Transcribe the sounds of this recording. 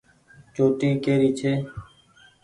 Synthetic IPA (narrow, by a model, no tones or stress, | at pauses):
t͡ʃoːt̪iːkeːɾiːt͡ʃʰeː